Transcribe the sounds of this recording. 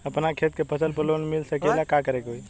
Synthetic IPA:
əpnakʰet̪̚kepʰəsəlpəlonmilsəkelakakəɾekeoj

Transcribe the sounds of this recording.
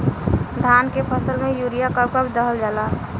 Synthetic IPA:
d̪ʱaːnkepʰəsəlmẽjuɾijakəb̚kəbd̪əɦəld͡ʒaːla

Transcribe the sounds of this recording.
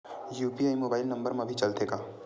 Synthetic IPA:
juːpiaimoːbaːɪlnɐ̃mbəɾmãbʱit͡ʃɐlt̪eːɡaː

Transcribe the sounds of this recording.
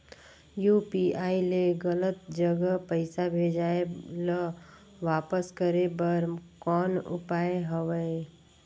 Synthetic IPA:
juːpiːaːileɡələt̪d͡ʒəɡəpəɪsabʱeːd͡ʒaːelə | ʋaːpəskəɾebəɾkɔːnʊ̰paːeɦəʋəe

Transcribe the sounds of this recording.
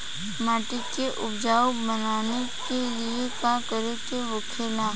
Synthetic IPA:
maːʈɪkeʔʊbd͡ʒaːobənaːnekeliekakəɾek̪eɦokʰeːlãː

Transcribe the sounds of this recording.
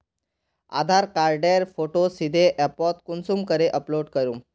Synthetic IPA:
a̰d̪ʱaɾkaɾɖejɾfoʈosid̪ʱeʔɛpɔt̪kunsuːmkəɾeʔəploɖkəɾuː

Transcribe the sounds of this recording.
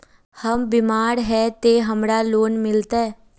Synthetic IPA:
həmbɪmaːɾɦɛt̪eɦɐmɾaloːnmɪlt̪aɦɛː

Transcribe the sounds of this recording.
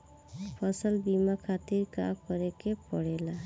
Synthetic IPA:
fʰɔsɔlbimakʰat̪iɾka̰kɔɾekepɔɽela

